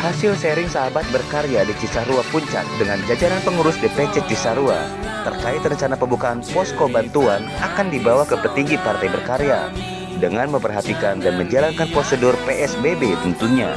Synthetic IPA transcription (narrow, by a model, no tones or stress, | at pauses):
hasɪlsɛɾɪŋsaɦabat̪̚bərkaɾeadit͡ʃisaɾuapuɲt͡ʃa̰k̚dəŋand͡ʒad͡ʒaɾanpəŋuɾʊsdəpɛt͡ʃɛk̚t͡ʃisaɾua̰ | t̪ərkaɪt̪rəɲt͡ʃanapəmbukaːnpɔskobant̪uan | akandibawahkəpərt̪iŋɡipart̪ajbərkaɾea | dəŋanməmpərɦat̪ikandanməɲd͡ʒalankanpɾosədʊrpeʔɛsbebet̪ənt̪uɲa̰